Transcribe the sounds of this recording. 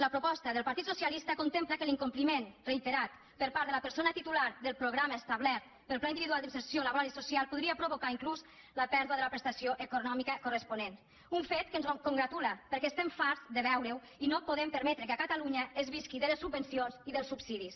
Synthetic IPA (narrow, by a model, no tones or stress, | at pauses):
ləpɾopɔst̪əðəlˠpaɾt̪it̪susialist̪əkont̪empləkəliŋkumplimenreit̪eɾat̪ | pəɾpaɾðələpəɾsonət̪it̪ulaɾðəlˠpɾoɣɾamaest̪aβlɛɾt̪̚ | pəlˠplaind̪iβiðualˠd̪ipsəɾsjolaβoɾalisusialˠpuðɾiəpɾoβokaiŋklus | ləpɛɾðwəðələpɾəst̪asjoʔekonɔmikəkorəspunen | uɱfet̪kənzkoŋɡɾat̪uləpəɾkɛest̪ɛɱfaɾzd̪əβɛwɾew | inopoðɛmpəɾmɛt̪ɾəkəkat̪aluɲəezβiskiðələsːubːənsionziðəlˠsubsiðis